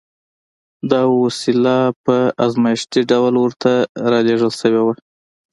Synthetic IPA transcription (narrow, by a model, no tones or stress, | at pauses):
d̪ɑwasilapəazmɑjɪʃt̪iɖawlwəɾt̪ʰaɾɑleʐəlsəwewa